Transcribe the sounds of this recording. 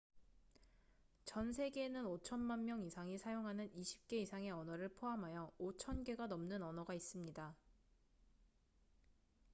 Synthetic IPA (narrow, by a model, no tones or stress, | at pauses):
t͡ɕʌnsʰe̞ɡe̞ːnɯnot͡ɕʰʌnmanmjʌŋisʰaŋisʰajoŋɦanɯniɕʰi̥p̚k͈e̞isʰaŋe̞ʌnʌɾɯɭpʰoɦamɦajʌot͡ɕʰʌnɡe̞ɡanʌmnɯnʌnʌɡais͈ɯmɲida